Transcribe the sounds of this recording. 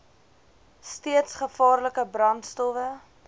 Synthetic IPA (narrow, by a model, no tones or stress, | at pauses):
stiətsχəfɑːrləkəbrɐntstɔvə